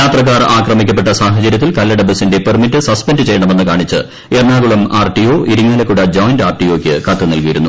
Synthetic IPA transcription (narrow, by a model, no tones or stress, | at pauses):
jaːt̪rɐk̬ːaːraːkrɐmikʲːɐp̬ːeʈːɐsaːɦɐt͡ɕɐɾjɐt̪ːilkɐlːɐɽɐbɐsinde̞permitːɨsɐspendɨt͡ɕe̞jːɐɳɐme̞nːɨkaːɳit͡ɕːɨ̰ | eːrɳaːɣɐɭumaːrʈio̞ːʔiɾuŋːɐlɐkːuɽɐd͡ʑoːjndaːrʈijo̞ːkʲːɨkɐt̪ːɐnɐlkɐjiɾunːu